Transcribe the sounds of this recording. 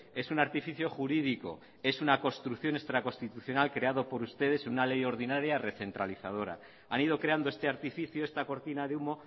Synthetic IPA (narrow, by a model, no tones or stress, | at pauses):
e̞sunaɾt̪ifiθjo̞xuɾiðiko̞̰ | e̞sunako̞st̪ɾukθjo̞ne̞kst̪ɾako̞st̪it̪uθjo̞nalkɾe̞að̞o̞po̞ɾust̪e̞ð̞e̞senunale̞jo̞ɾð̞inaɾjare̞θe̞nt̪ɾaliθað̞o̞ɾa̰ | anið̞o̞kɾeand̪oe̞st̪e̞aɾt̪ifiθjoe̞st̪ako̞ɾt̪inaðeumo̞